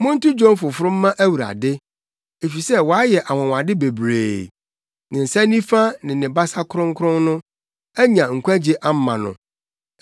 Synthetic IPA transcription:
mʊ̃˦n̩˦tʊ˦d͡ʑɔ̃˦n˦fʊ˨fʊ˦ɾʊ̃˦m̩ː˦ã˦ʔæ˦wu˨ɾa̰˨dɪ˦ | e˨fi˨sɛ˦wɔ˨a˦jɛ˨ʔa˨wɔ̃˨w̃a˨dɪ˦be˨bɾḛː˨ | nɪ̃˨n̩˨sa˦nĩ˦fa˦nɪ̃˨nɪ̃˨ba˦sa˦kʰʊ˦ɾʊ̃˦ŋ˦kʰɾʊ̃˦nnʊ̃˦ | æ˦ɲã˨ŋ̩˨kʷæ˦d͡ʑi˦ʔa˦m˦mã˨nʊ̰̃˨

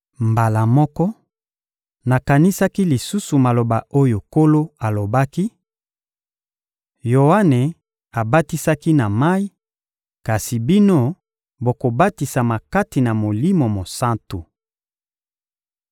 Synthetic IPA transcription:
mba˨la˨mɔ˦kɔ˦ | na˨ka˨ni˦sa˦ki˦li˨su˦su˨ma˨lo˨ba˨o˦jo˨ko˦lo˦a˨lo˨ba˦ki˦ | jo˨wa˦ne˨ | a˨ba˦ti˦sa˦ki˦na˨ma˦i˦ | ka˨si˨bi˦no˦ | bo˨ko˨ba˦ti˨sa˨ma˨ka˦ti˨na˨mo˨li˦mo˨mo˨sã˦nto˨

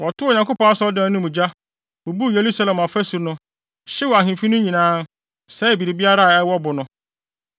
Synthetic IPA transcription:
wɔ˨tʊ˦˨ɲã˨ŋkʊ˦pɔ̃˦a˦sɔ˦dã˦˨˦nʊ̃˦mũ˨d͡ʑa˦ | wʊ˨bu˦˨je˨ɾu˦sa˦lɛ˨ma˨fæ˦su˨ɾnʊ̃˦ | ɕɪ˦wɔ˨a˨ɦɪ̃˨fi˦nʊ̃˦ɲĩ˨nãː˦ | sɛ˦i˨bi˨ɾi˨bi˦a˦ɾa˦˨ɛ˦wɔ˦bʊ˨nʊ̃˦

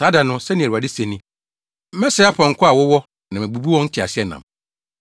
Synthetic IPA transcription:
saː˨˦da˨nʊ̃˦sɛ˦nĩ˨a˨dɪ˦se˨nĩ˦ | mɛ̃˦sɛ˦a˦pʰɔ̃˨ŋ̩˨kʰʊ˦a˨wʊ˦wɔ˦ | nã˨mæ̃˨bu˨bu˦wɔ̃˦n̩˦tʰɪ˨a̰˨sɪ˦ɛ˦nã̰˨m

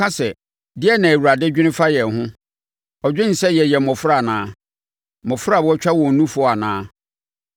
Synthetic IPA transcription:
ã˦sɛ˨ | dɪ˦ɛ˦nã˨e˨wu˨a˨dɪ˦d͡ʑᶣɪ˦nɪ̃˦fa˦jɛ˨ɦʊ̃˦ | ɔ˨d͡ʑᶣɪ̃˦n̩˨sɛ˦jɛ˨jɛ˨mɔ̃˨fʊ˦ɾa˦˨nãː˦ | mɔ̃˨fʊ˦ɾa˦˨bɔ˦t͡ɕᶣa˦wɔ̃˨n̩˨nũ˦fʊ˨ɔ˦a˨nãː˦

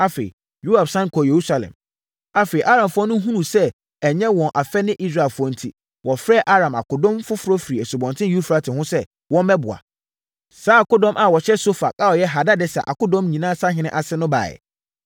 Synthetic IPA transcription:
a˦fḛ˨ḭ˨ | ju˦a˨bsã˦ŋ˦kʰɔ˨je˨ɾu˦sa˨lɛ̰̃˨m | a˦fe˨i˨ʔa˦ɾã˨mfʊ˦ɔ˦nʊ̃˦ɦũ˦nũ˨sɛ˦ | ɛ˨ɲɛ̃˦wɔ̃˨nʔa˨fɛ˦nɪ̃˦ʔi˦s̬ɾa˦˨lfʊ˦ɔ˦˨n̩˦tʰi˨ | wɔ˨fɾɛ˦ʔa˦ɾã˨ma̰˨kʊ˨dɔ̃˦mfʊ˦fʊ˦ɾɔ˦fi˨ɛ˨so˨bɔ̃˨ntʰɪ̃˦ju˦fɾa˦tʰɪ˨hʊ̃˦sɛ˦ | wɔ̃˦mmɛ˦bʊ˨a̰˨ | saː˦˨kʊ˦dɔ̃˦mʔa˨wɔ˨ɕɛ˦so˦fa̰˨kʼa˦ɔ˨jɛ˦ɦa˨da˦dɛ˦sɛ̰˨ʔa̰˨kʊ˦dɔ̃˦mɲĩ˨nãː˦sa˦ɦɪ̃˦nɪ̃˦ʔa˨sɪ˦nʊ̃˦ba̰ː˨ɛ̰˨

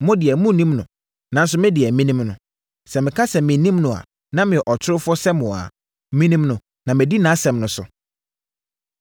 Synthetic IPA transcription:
mʊ̃˦dɪ˨ɛ˨mũ˦˨nĩ˦mnʊ̰̃˨ | nã˨˦n̩˦s̬ʊ˨˦mɪ̃˦dɪ˨ɛ˨mĩ˦nĩ˦mnʊ̰̃˨ | sɛ˨mɪ̃˨kʰa˦sɛ˨mɪ̃˨nĩ˦mnʊ̃˨a̰˨ | nã˦mɪ̃˨ɛ˨ʔɔ˨tʰɪ˦ɾʊ˦fɔ˦sɛ˦mʊ̃˨a̰˨˦ | mĩ˦nĩ˦mnʊ̃˨ | nã˨mɪ̃˨di˦nã˨˦sɛ̃˨mnʊ̃˨sʊ̰˨

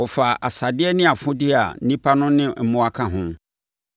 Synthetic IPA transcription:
ɔ˨fa˨ʔa̰˨sa˨dɪ˦ɛ˦nɪ̃˦a˨fʊ̃˦dɪ˦a̰˨˦nĩ˦pʰa˦nʊ̃˦nɪ̃˦m̩˦mʊ̃˦a˦kʰã˨ɦʊ̃˦

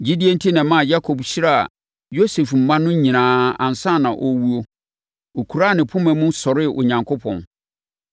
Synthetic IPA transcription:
d͡ʑi˦di˦e˦n̩˦tʰi˦nɛ̃˨mã˦˨ja˦kʰo˨bɕi˦ɾa˦˨a̰˨ | jo˦se˨fm̩˨mã˦nʊ̃˦ɲĩ˨nãː˨ã̰˨n˨sã˦˨nã˨ʔɔ˨wu˦o˦ | o˨kʰu˨ɾa˦˨nɪ̃˨pʰʊ̃˦mæ̃˨˦mʊ̃˦sɔ˨ɾɪ˦˨ʔo̰˨ɲã˨ŋkʰo˦pʰɔ̰̃˨n

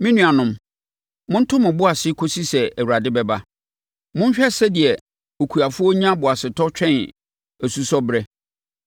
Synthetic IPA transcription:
mĩ˦nũ˨a˨nʊ̃˨m | mʊ̃˦n̩˦tʰʊ̃˦mɪ̃˨bʊ˦a˨sɪ˦kʰo˦si˦sɛ˨æ˨wu˨ɾa˨dɪ˦bɛ˨ba˦ | mʊ̃˦n˦ɕᶣɛ˦sɛ˦dɪ˨ɛ˨ | o˨kʰu˨a˨fʊ˦ɔ˦ɲ˦ã˦bʊ˨a˨sɪ˨tʰɔ˦t͡ɕᶣɛ̃˦n | æ˨su˦sɔ˦bɾɛ˦

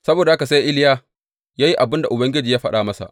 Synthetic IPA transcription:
sɐ˦boː˨da˨ha˦ka˨sa˦jʔɪ˦ljaː˦ | jaː˦ji˦ʔa˨bɪ˦nda˨ʔʊ˨bɐ˦ŋɡʲɪ˦d͡ʒiː˨jaː˦ɸɐ˦ɗaː˨mɐ˦sa̰˨ʔ

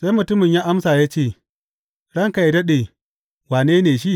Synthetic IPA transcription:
sa˦jmʊ˨tʊ˦mɪ˨ɲjaː˦ʔa˦msaː˨jaː˦t͡ʃeː˦˨ | ɽɐ˦ŋka˨ji˨dɐ˦ɗeː˨ | waː˨neː˦neː˨ʃi˦ʔ

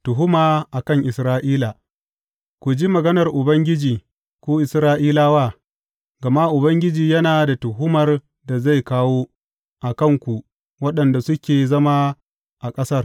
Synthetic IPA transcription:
tʊ˨ɦʊ˦maː˨ʔa˨kɐ˦˨ŋʔɪ˨sɾaː˦ʔiː˦la˨ | kʷu˨d͡ʒiː˦mɐ˨ɡɐ˦nɐ˨rʔʊ˨bɐ˦ŋɡʲɪ˦d͡ʒiː˨ | kʷoː˦ʔɪ˨sɾaː˦ʔiː˦laː˦waː˦˨ | ɡɐ˨ma˦ʔʊ˨bɐ˦ŋɡʲɪ˦d͡ʒiː˨jɐ˦naː˨da˨tʊ˨ɦʊ˦mɐ˨r | da˨za˦˨jkaː˦woː˦ | ʔa˨kɐ˦˨ŋkʷu˨ʔ | wɐ˦ɗɐ˨nda˨sʊ˦kʲeː˨zɐ˦ma˦ | ʔa˨kʼɐ˦sɐ˦r

